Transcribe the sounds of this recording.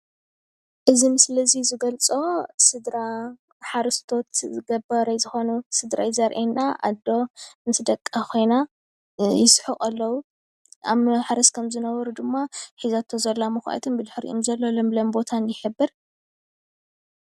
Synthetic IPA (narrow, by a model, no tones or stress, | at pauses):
ʔɨzimɨslɐzizɨɡɐlt͡sʼo̞sɨd̪ɾa | ħaɾɨst̪ʰo̞t̪zɨɡɐbɐɾajzɨxonusɨd̪ɾa̰jzɐɾʔenːaʔa̰d̪o̞nɨsɨd̪ɐkʼːakʰo̞jna | jɪsħuqʼɐlːɐwu | a̰mħaɾɐskʰɐmzɨnɐβɐɾud̪ɨmːaħizat̪ʰːozɐlːamɨxʷa̰ʔa̰t̪ʰɨnbɨd̪ħɾḭʔomzɐlːolomblɐmbo̞t̪ʰanjɪħɨbːɨɾ